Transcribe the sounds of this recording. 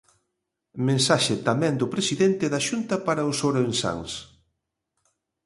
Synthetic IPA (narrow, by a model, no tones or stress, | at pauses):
mẽnsaʃɪt̪amɛ̃nd̪ʊpɾesiðɛnt̪ɪðaʃunt̪ɐpaɾaʊsoɾensa̰ŋs